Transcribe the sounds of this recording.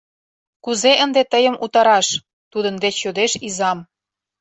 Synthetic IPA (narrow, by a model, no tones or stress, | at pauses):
kuzeʔənd̪et̪əjəmut̪ɑɾɑʃ | t̪ud̪ə̆nd̪eɕod̪eʃizɑm